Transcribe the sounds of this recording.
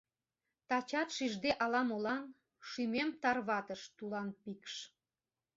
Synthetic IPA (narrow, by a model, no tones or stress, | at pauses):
t̪ɑt͡ɕɑt̪ʃiʒd̪eʔɑlɑmolɑn | ʃymemt̪ɑrβɑt̪əʃt̪ulɑnpikʃ